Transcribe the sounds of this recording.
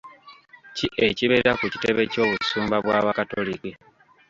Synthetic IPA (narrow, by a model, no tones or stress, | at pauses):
ciʔeciβeɾeɾakuci̥te̞βe̞co̞ːβusuːmbaβwaβakato̰liki